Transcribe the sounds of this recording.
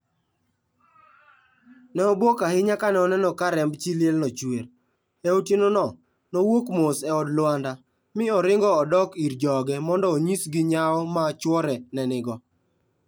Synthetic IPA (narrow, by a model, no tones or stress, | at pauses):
nɛɔbokahɪɲakanɛɔnɛnɔkaɾɛmbt͡ʃilɪelnɔt͡ʃweɾ | ɛotinonɔ | nɔwokmosɛɔdlwanda | mɪɔɾɪŋɡɔːdɔkiɾd͡ʒɔɡɛmɔndɔoɲisɡɪɲaɔmat͡ʃwɔɾɛnɛnɪɡɔ